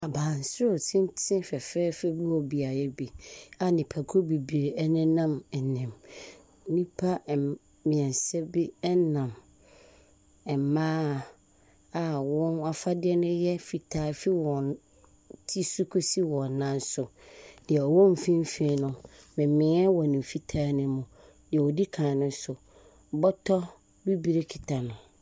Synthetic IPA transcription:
a˨baː˨n˨sʊ˦o˨tʰɪ̃˦n˦tʰɪ̃˦fɛ˨fɛː˦fɛ˦bu˦ɔ˨bi˨a˨jɛ˦bi˨a˨nɪ̃˨pʰa˨kʰo˦bi˨bi˨ɾe˨ɛ˦nɪ̃˦nã˦mɛ˨nɪ̃˨m˦ | nĩ˦pʰa˦˨ | mɪ̃˨ɛ̃˨n˨sɛ˦bi˦ɛ˦nã˨m | ɛ˨mãː˦ | a˨wɔ̃˦na˦fa˦dɪ˦ɛ˦nʊ̃˦jɛ˦fi˨tʰaː˦fi˦wɔ̃˨n | tʰi˦su˦kʰu˦si˦wɔ̃˨nã˦n˦sʊ˨d̥ɪ˨ɛ˨ɔ˨wɔ̃˦m˨fĩ˦m˦fe˦nʊ̃˨ | mɪ̃˨mɪ̃˨˦ɛ˦wɔ˨nĩ˨m˨fi˦tʰaː˦nɪ̃˦mʊ̃˨ | dɪ˨ɛ˨wɔ˨di˦kʰãː˨nʊ̃˦sʊ˨ | bɔ˦tʰɔ˦ | bi˦bi˨ɾe˦kʰi˨tʰa˨nʊ̃˨

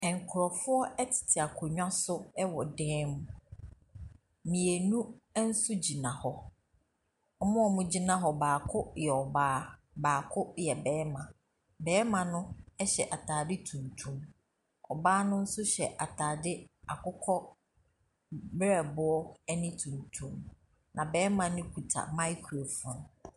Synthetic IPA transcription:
ɛ̃˨ŋ̩˨kʰʊ˨ɾɔ˨fʊ˦ɔ˦ɛ˦tʰɪ̥˨tʰɪ˨a˨kʰo˨ɲᶣã˦sʊ˦ɛ˦wɔ˨dɛ̃ː˦mũ˨ | mĩ˨e˨nũ˦n̩˦sʊ˦d͡ʑi˨nã˨hɔ˦ | ɔ˦mʊ̃˦ɔ˨mũ˦d͡ʑi˦nã˦ɦɔ˨baː˨kʰʊ˦jɛ˨ɔ˨baː˦ | baː˨kʰʊ˦jɛ˨bɛː˨˦mã˨ | bɛː˨˦mã˨nʊ̃˦ɛ˦ɕɛ˨ʔa˨tʰaː˨dɪ˦tʰũ˨ntʰũ˦m | ɔ˨baː˦nʊ̃˦n̩˦sʊ˦ɕɛ˨ʔa˨tʰaː˨dɪ˦a˨kʊ˦kʰɔ˦ | bɾɛ˦˨bʊ˦ɔ˦ɛ˦nɪ̃˦tʰũ˨ntʰũ˦m | nã˨bɛː˨˦mã˨nʊ̃˦kʰu˨tʰa̰˨mã˦ɪ˦kʰo˨fʊ̃˨n

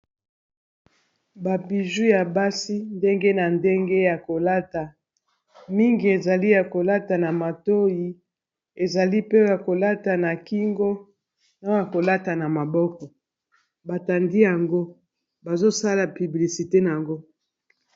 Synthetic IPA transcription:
ba˨bi˨ʒu˦ja˨ba˦si˦nde˦ŋɡe˦na˨nde˦ŋɡe˦ja˨ko˨la˦ta˨ | mi˦ŋɡi˨e˨za˨li˦ja˨ko˨la˦ta˨na˨ma˨to˦ji˨ | e˨za˨li˦pe˦ja˨ko˨la˦ta˨na˨ki˦ŋɡo˦ | na˦ja˨ko˨la˦ta˨na˨ma˨bɔ˦kɔ˨ | ba˨ta˨ndi˦ja˨ŋɡo˦ | ba˨zo˦sa˦la˨py˨bli˨si˨te˦na˨a˨ŋɡo˦

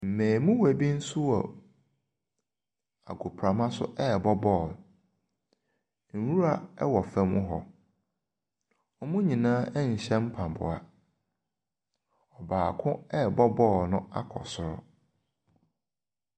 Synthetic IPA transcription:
m̩˨mẽː˨mũ˦wæ˨bi˦n̩˦sʊ˦ɔ̰˨ | a̰˨ɡʊ˨pʰɾa˨mã˦sʊ˦ʔɛ˦˨bɔ˦bɔ˦˨ | n̩˨wu˦ɾa˨ɛ˦wɔ˨fɛ̃˨mʊ̰̃˦ɦɔ˨ | ɔ˦mʊ̃˦ɲĩ˨nãː˦ɛ˦ɲ̩˨ɕɛ̃˦m̩˦pʰã˨bʊ̰˨a̰˨ | ɔ˨baː˨kʰʊ̃˦ɛ˦˨bɔ˦bɔ˦˨nʊ̃˦a̰˦kʰɔ̰˨sʊ˨ɾʊ̰˨

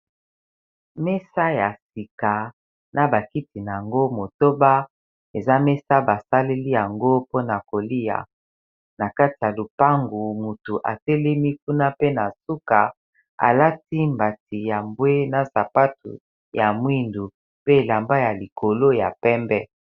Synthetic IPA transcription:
me˦sa˦ja˨si˨ka˨ | na˨ba˨ki˦ti˨na˨a˨ŋɡo˦mo˨to˦ba˦ | e˨za˦me˦sa˦ba˨sa˦le˦li˦ja˨ŋɡo˦po˦na˨ko˨li˦ja̰˨ | na˨ka˦ti˨ja˨lu˨pa˦ŋɡu˨mu˨tu˨ʔa˨te˦le˦mi˦ku˦na˦pe˦na˨su˦ka˨ | a̰˨la˦ti˦mba˨ti˨ja˨mbwe˦na˨sa˨pa˦tṵ˨ | ja˨mwi˦ndu˨ | pe˦˨la˨mba˦ja˨li˨kʰo˨lo˦ja̰˨pɛ˦mbɛ˦

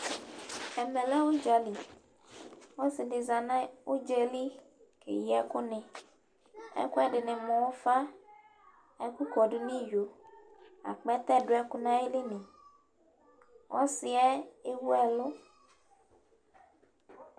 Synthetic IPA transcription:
ɛ˨mɛ̃˨lɛ˦wo˦d͡ʒa˨li˨ | wɔ˦si˨ɖɪ˨za˨nã˦wo˦d͡ʒe˦li˦ | kḛ˨ji˨ɛ˦ku˦nɛ̃˨ | ɛ̰˦ku˦ɛ˦ɖɪ˨nẽ˨mɔ̃˨wo˦fa˦ | ɛ˦ku˦kɔ˨ɖu˦nĩ˦jo˨ | a̰˨k͡pɛ˦t̪ɛ˦˨ɖo˦ɛ˦ku˦nã˦e˦li˦nẽ˨ | wʔɔ˦si˨ɛ˦e˦wu˦ɛ˨lo˦

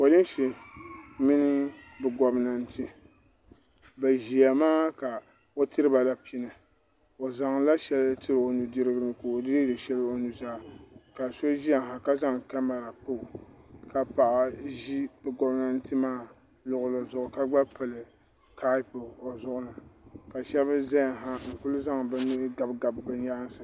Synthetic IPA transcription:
o˨dɨ˦n˦ʃi˨ | mi˦nɨ˦ | bɨ˨ɡɔ˨bna˨n˦tɨ˦ | ba˨ʒi˨a˨maː˦ka˨ | o˦tɨ˦ɾɨ˦ba˨la˨pi˦nɨ˨ | o˨za˨ŋla˦ʃɛ˦ltɨ˦ɾɨ˨o˨nu˨dɨ˦ɾɨ˦ɡɨ˦nɨ˨ko˨o˨dɨ˦ɨ˦dɨ˨ʃɛ˦lo˨nu˨zaː˦˨ka˨so˦ʒi˦a˨ɦa˨ka˦za˦ŋka˦ma˨ɾa˨k͡po˦ʔʊ˨ka˨pa˨ʔa˨ʒi˦bɨ˨ɡɔ˨bna˦n̩˦tɨ˦maː˦ | lʊ˨ʔʊ˨lɨ˨zʊ˨ʔʊ˨ka˦ɡ͡ba˦pɨ˨lɨ˨ | ka˦i˦po˨zʊ˦ʔʊ˦nɨ˨ka˨ʃɛ˦bɨ˦za˦ja˨ɦa˦ŋ̩˨kʊ˦lʊ˦za˦ŋbɨ˦nɨ˦ɡa˨bɡa˨bbɨ˦n˦ja˦a˦n˦sɨ˨

